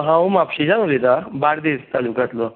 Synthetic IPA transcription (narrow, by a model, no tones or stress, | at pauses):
ɦãumapɕid͡ʑãŋlet̪abaɽd̪est̪alukat̪lɔ